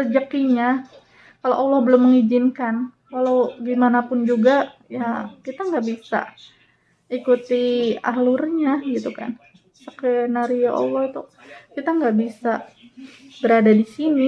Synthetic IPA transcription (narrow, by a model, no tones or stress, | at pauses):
ərd͡ʒəkiɲa | kaloʔɔlɔhbəlʊmːəŋid͡ʒɪnkan | kalawɡimanapʊnd͡ʒuɡajakit̪aŋɡaʔbisa̰ | ikut̪ia̰ɦlʊrɲaɡit̪uka̰n | səkɛnaɾioʔɔ̰lɔhit̪u | kit̪aŋɡaʔbisa | bəɾadadisini